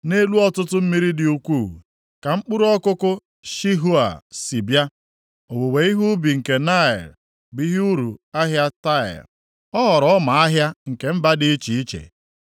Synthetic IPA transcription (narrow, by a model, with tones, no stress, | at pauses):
ne˦lu˦ɔ˦tʊ˦tʊ˦m̩˦mi˦ɾi˦dɪ˨u˨kʷuː˦˨ | ka˨ŋ͡m̩˦k͡pu˦ɾɔ˦kʊ˦kʊ˦ | ʃi˦ɦu˦a̰˨si˨bja˦ | o˨wo˨we˨˦i˦ɦu˦bi˨ŋ̩˨ke˨na˦ɪ̰˨ɾ | bi˦ɦɪ˦u˦ɾu˨a˦ɦja˦ta˦ɪ̰˨ɾ | ɔ˦ɦɔ˨ɾɔ˦ɔ˦ma˨a˦ɦja˦ŋ̩˨ke˨m̩˦ba˦dɪ˦t͡ʃi˨i˦t͡ʃḛ˨